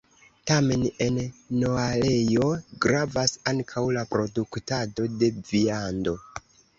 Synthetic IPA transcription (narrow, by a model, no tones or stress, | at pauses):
tame̞ne̞nno̞ale̞jo̞ɡɾavasaŋkʰawlapɾo̞duktado̞de̞viando̞